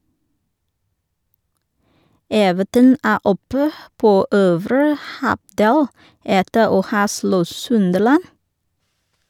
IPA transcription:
ˈeːʋətən ˈæː ˈɔpə ˈpoː ˈøːʋɾə ˈhɑˌdeːl ˈɛtə ˈoː ˈhɑː ˈslɔ ˈsʉndəlɑn

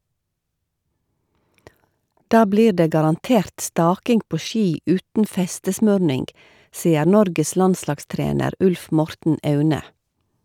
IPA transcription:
ˈdɑː ˈbliːɾ ˈdeː ɡɑɾɑnˈteːɾt ˈstɑːkɪŋɡ ˈpoː ˈʃiː ˈʉːtn̩ ˈfɛstəsmœɾnɪŋɡ ˈsiːəɾ ˈnɔɾɡəs ˈlɑnslɑɡˌstɾeːnəɾ ˈʉlf ˈmɔɾtn̩ ˈɑʉnə

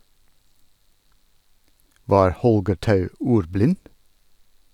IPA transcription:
ˈʋɑːɾ ˈhɔlɡəɾ ˈtɑʉ ˈuːɾˌblɪn

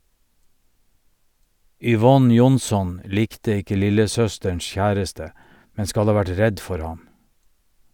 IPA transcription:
ʏˈʋɔn ˈjʊnˌsɔn ˈliːktə ˈɪkə ˈlɪləˌsœstəɳs ˈçæːɾəstə ˈmɛ ˈskɑl ˈɑː ˈʋæʈ ˈɹɛd ˈfɔɾ ˈhɑm

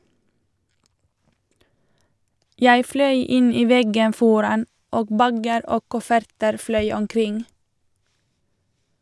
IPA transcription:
ˈjæɪ ˈflœʏ ˈɪn ˈiː ˈʋɛɡən ˈfɔɾɑn ˈoː ˈbæɡəɾ ˈoː ˈkʊfəɾtəɾ ˈflœʏ ɔmˈkɾɪŋ

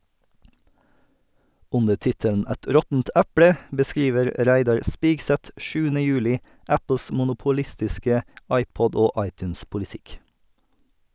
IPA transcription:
ˈʉndə ˈtɪtəln̩ ˈɛt ˈɾɔtn̩t ˈæpɽə bəˈskɾiːʋəɾ ˈɾæɪdɑɹ ˈspiːɡsɛt ˈʃʉːənə ˈjʉːlɪ ˈæpl̩s mʊnʊpʊˈlɪstɪskə ˈɑɪpɔd ˈoː ˈɑɪtʉnspʊlɪˌtɪk

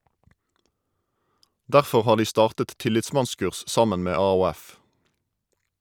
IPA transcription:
ˈdæʁfɔʁ ˈhɑː ˈdiː ˈstɑːʁtət ˈtɪlɪtˌsmɑnˌskʉʁs ˈsɑmən ˈmeː ɑːuːˈæf

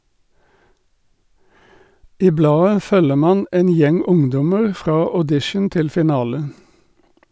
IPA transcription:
ˈiː ˈblɑːə ˈfœlə ˈmɑːn ˈeːn ˈjɛŋ ˈʊŋˌdɔməʁ ˈfʁɑː ɔˈdɪʃən ˈtɪl fɪˈnɑːlə

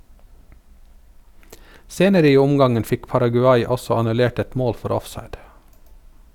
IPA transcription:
ˈseːnəɾə ˈiː ˈʊmɡɑŋən ˈfɪk pɑɾɑɡʉˈɑɪ ˈɔsɔ ɑnʉˈleːʈ ˈɛt ˈmoːl ˈfɔɾ ˈɔfˌsɑɪd

